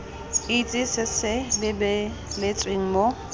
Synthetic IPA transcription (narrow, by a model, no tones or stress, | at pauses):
it͡sʼɪsɪsɪlɪbɛ | lɪt͡sʼweŋ̩mo